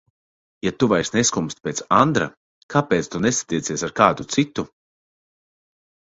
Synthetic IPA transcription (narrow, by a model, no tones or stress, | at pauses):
jat̪uvajsneskumst̪̚ʲpʲeːt̪sand̪ɾa̰ | kʰapeːt̪st̪unesḁt̪iɛt̪siɛsaɾkaːd̪ut̪sit̪u